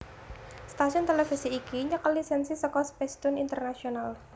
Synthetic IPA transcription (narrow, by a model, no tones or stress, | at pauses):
st̪asiɔnt̪elefisiːkiɲəkəlisɛnsisəkɔspɛst̪ʊnint̪ərnasional